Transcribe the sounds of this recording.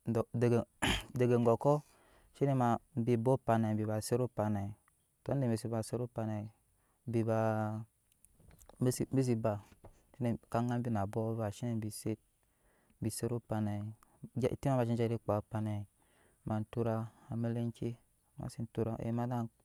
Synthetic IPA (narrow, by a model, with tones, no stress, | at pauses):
dde˨ɡde˨ɡe˨ŋɡo˨kɔ˦ | ʃi˦ne˦ma˨m˦bi˨bo˦pa˨na˨bi˨ba˨se˦ɾo˦pa˨na˨ | to˨˦n˦e˨me˨si˦ba˨se˦ɾu˦pa˨na˨˦ | bi˨ba˨ | m˦si˨me˦s̬i˨ba˨ | ʃi˦ne˨ka˦ŋa˦mbi˦na˨bo˦βa˨ʃi˦ne˨m˦bi˨se˦t̚ | bi˨se˦ɾu˦pa˨na˨d͡ʒ̰ti˦ma˦ma˨ʃi˦n˦d͡ʒa˦ɾi˦k͡pa˨pa˨na˨ | ma˨n̩˨tu˦ɾa˦a˨me˦le˦ŋ˦ki˦ | ma̰˨si˦n̩˦tu˦ɾa˨˦ḛ˨˦ma˦da˦